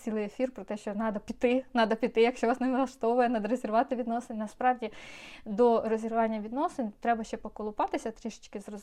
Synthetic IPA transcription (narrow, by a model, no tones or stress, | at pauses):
t͡sʲilˠɪjefʲirpɾɔt̪ɛʃt͡ʃɔnɑd̪ɐpʲit̪ɪnɑd̪ɐpʲit̪ɪjɐkʃʲt͡ʃɔʋɑsneʋɪlˠɐʃt̪ɔʋʊjɛnɐd̪ɐɾezʲerʋɑt̪ɪʋʲid̪nɔsenʲnɐspɾɑʋdʲid̪ɔrɔzʲirɾʊʋɑnʲːɐʋʲid̪nɔsɪnʲt̪ɾɛbɐʃt͡ʃɛpɔkɔlˠʊpɑt̪ɪsʲɐt̪ɾʲiʃɪ̥t͡ʃkɪzrɔz